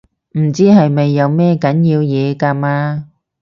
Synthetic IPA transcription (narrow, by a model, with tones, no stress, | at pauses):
m̩˨˩t͡siː˥ɦɐ˨jme˨jːɐ˨˧wmɛː˥kɐ˨˥njiː˧wjɛː˨˧kaː˧maː˧